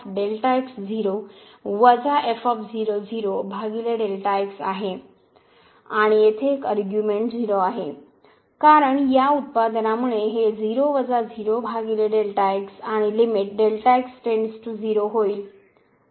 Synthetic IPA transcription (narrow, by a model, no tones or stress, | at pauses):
ɖelʈajksd͡ziɾoʋəd͡zaʔefɔfd͡ziɾod͡ziɾobʱaɡileɖelʈaeksa̰ɦe | aɽ̃ijet̪ʰeːkəɾɡjumeɳʈd͡ziɾoaɦe | kaɾəɳjaut̪̚pad̪namuɭeɦed͡ziɾoʋəd͡zad͡ziɾobʱaɡileɖelʈaeksaɽ̃ilimiʈ̚ɖelʈajksʈeɳɖsʈud͡ziɾoɦoiːl